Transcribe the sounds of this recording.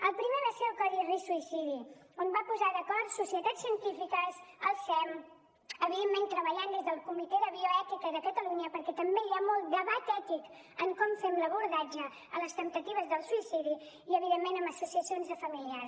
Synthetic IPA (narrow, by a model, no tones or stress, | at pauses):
əlˠpɾimeðəsɛlkɔðirisuisiðiombapuzaðəkɔɾt̪susiət̪asiənt̪ifikəzəlˠsɛm | əβiðemːẽnt̪ɾəβəʎand̪ezðəlˠkumit̪ɛðəβioɛt̪ikəiðəkət̪əluɲəpəɾkɛt̪əmbeiamɔlˠt̪̚d̪əβat̪ɛt̪ik | əmkɔmfemləβuɾðad͡ʒə | ələst̪ənt̪ət̪iβ̞əzðəlˠsuisiði | iəβiðemːenəməsusiəsionzðəfəmiliaɾ